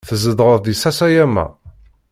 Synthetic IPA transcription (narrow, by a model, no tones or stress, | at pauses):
θəzəd̪ˤʁəððisæsæjæmːæ̰